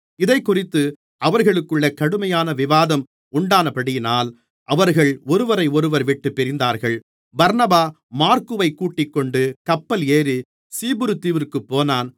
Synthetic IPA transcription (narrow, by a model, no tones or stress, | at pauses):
ɪðɐɪkːʊrɪt̪ːɯ | ʔɐʋɐɾɣɐɭɯkːɯɭːɐkɐɽɯmɐjaːnɐʋɪʋaːðɐm | ʊɳɖaːnɐpɐɽɪjɪnaːl | ʔɐʋɐɾɣɐɭɔɾɯʋɐɾɐɪɔɾɯʋɐɾʋɪʈːɯpːɪɾɪnd̪aːɾɣɐɭ | bɐɾnɐbaː | maːɾkɯʋɐɪkːuːʈːɪkːɔɳɖɯkɐpːɐleːɾi | siːbɯɾɯt̪ːiːʋɪrkɯpːoːnaːn